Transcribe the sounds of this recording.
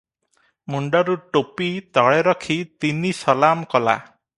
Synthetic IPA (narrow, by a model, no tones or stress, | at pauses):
muɳɖɔɾuʈopit̪ɔɭeɾɔkʰit̪inisɔlamkɔla̰